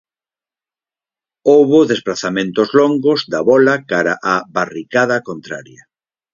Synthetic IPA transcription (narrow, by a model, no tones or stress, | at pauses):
owβoðesplaθamẽnt̪ozloŋɡozd̪aβɔlakaɾa̰ʔaβarikað̞ɐkont̪ɾaɾja